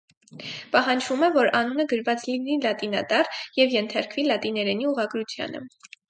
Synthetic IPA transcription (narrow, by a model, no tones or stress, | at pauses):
pɑɦɑnd͡ʒvumɛvɔɾɑnunəɡəɾvɑt͡slinilɑt̪inɑ̰t̪ɑrjɛvjɛnt̪ʰɑɾkvilɑt̪inɛɾɛniuʁɑɡɾut͡sʰjɑ̰nə̰